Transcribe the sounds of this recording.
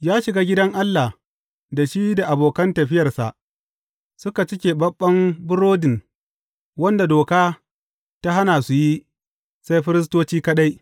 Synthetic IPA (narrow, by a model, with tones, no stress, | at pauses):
jaː˦ʃɪ˨ɡaː˦ɡʲɪ˦dɐ˦ŋʔa˦lːa˨h | da˨ʃiː˦da˨ʔa˨boː˨kɐ˦ntɐ˨ɸɪ˦jɐ˨rsa̰˨ʔ | sʊ˦ka˨t͡ʃɪ˦kʲeː˨bɐ˦ɓːɐ˦mbʊ˦ɾoː˦dɪ˨n | wɐ˦nda˨doː˨kaː˦ | ta˦ɦa˦naː˨su˨ji˦ | sa˦jɸɪ˦ɾɪ˦s̬toː˦t͡ʃiː˦kɐ˦ɗa˦j